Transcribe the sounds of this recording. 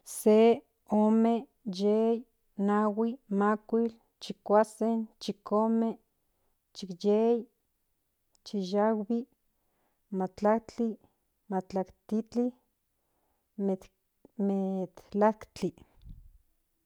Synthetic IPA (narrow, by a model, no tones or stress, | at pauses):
se | oːme | jej | nawimakʷil | t͡ʃikʷasent͡ʃikome | t͡ʃikjej | t͡ʃijawbi | mat͡ɬakt͡ɬi | mat͡ɬakt̪it͡ɬi | me | met̪lakt͡ɬi